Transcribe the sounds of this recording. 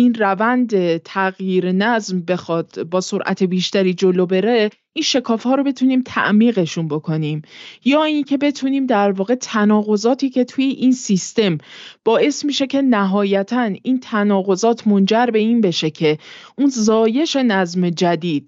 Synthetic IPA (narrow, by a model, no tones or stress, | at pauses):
inrævænd̪et̪ʰæɣjiːɾenæzmbe̞xɒːd̪̥bɒːso̞ɾʔæ̰t̪ʰebiːʃt̪æɾiːd͡ʒo̞lobe̞ɾe̞ | ʔinʃe̞kʰɒːfhɒːɾo̞be̞t̪ʰuniːmt̪ʰæ̰ʔmiːɣe̞ʃunbo̞kʰo̞niːmjɒːiːncʰe̞be̞t̪ʰuniːmd̪æɾvɒːɣe̞t̪ʰænɒːɣo̞zɒːt̪ʰiːcʰe̞t̪ʰujeʔinsist̪e̞mb̥ɒːʔe̞smiːʃe̞cʰe̞næɦɒːjæt̪ʰæniːnt̪ʰænɒːɣo̞zɒːt̪ʰmond͡ʒæɾbe̞iːnbe̞ʃe̞cʰe̞ʔunzɒːje̞ʃe̞næzme̞d͡ʒæd̪iːd̪̥